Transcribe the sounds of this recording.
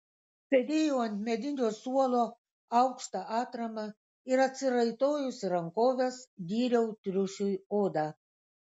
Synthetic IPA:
sʲɛd̪ʲeːjoɐnʲt̪ʲmʲɛd̪ʲɪnʲoːsuɔlˠoː | ɐʊkʃt̪ɑʔɑːt̪ɾɐmɐ | ɪɾɐt̪ʲsʲɪɾɐɪt̪oːjʊsʲɾɐŋkoːʋʲesd̪ʲiːɾʲɛʊt̪ʲɾʲʊʃʲʊjoːd̪ɑː

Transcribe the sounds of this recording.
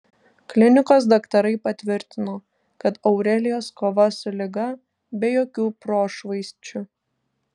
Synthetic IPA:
klʲɪnʲɪkoːs̬d̪ɐkt̪ɐɾɐɪpɐt̪ʲʋʲɪɾʲt̪ʲɪnoː | kɐt̪ɐʊɾʲɛlʲɪjoːskoːʋɐsʊlʲɪɡɐ | bʲɛjoːkʲuːpɾoːʃʋɐɪsʲt͡ʃʲʊ

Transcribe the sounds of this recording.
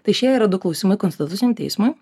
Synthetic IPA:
t̪ɐɪʃʲiɛiːɾɐd̪ʊklˠɒʊsʲimɐɪkɔnsʲt̪ʲɪt̪ʊt̪ʲɪnʲɛmt̪ʲɛ̰ɪsmʊj

